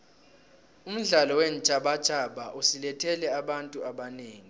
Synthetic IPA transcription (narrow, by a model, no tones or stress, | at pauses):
um̩ɮalɔwen̩t͡ʃʼaɓḁt͡ʃʼaɓaʔusilɛtʰɛlɛaɓantʼuaɓaneːŋi